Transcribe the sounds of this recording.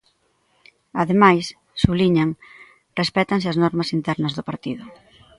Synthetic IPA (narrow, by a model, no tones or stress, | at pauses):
aðemajs | suβliɲaŋ | respɛt̪ɐŋsɪaznɔɾmɐsint̪ɛɾnɐzðʊpaɾt̪iðʊ